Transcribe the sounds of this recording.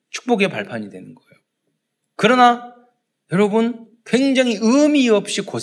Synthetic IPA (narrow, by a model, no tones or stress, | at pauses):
t͡ɕʰu̥k̚p͈oɡepaɭpʰaɲidwe̞nɯnɡʌejo | kɯɾʌna | jʌɾʌbun | kwe̞ŋd͡ʑaŋɦiɯmiʌp̚ɕ͈iko